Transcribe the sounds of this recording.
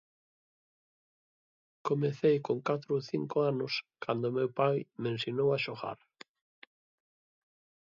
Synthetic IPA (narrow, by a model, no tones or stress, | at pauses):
komeθejkoŋkat̪ɾooθiŋkoanʊskʰand̪ʊmewpajmẽnsjonowaʃoɣa̰ɾ